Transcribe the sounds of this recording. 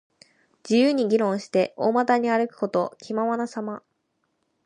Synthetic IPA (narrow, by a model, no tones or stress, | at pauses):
d͡ʑijɯːɲ̟iɡʲiɾõ̞ɰ̃ɕi̥t̪e̞oːmat̪aɲ̟iaɾɯ̟kɯ̟̥ko̞t̪o̞kʲʰimaβanasama